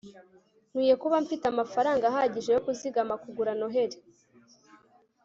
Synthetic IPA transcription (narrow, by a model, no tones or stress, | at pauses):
n̥wiːje̞kuβaɱfitamafaɾaːŋɡaɦaɟiʒe̞jo̞kuziɡamakuɡuɾano̞ɦe̞ɾe